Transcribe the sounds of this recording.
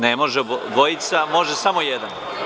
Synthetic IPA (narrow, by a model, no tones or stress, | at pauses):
nemoʒeʋo̞jit̪samo̞ʒesamo̞jed̪an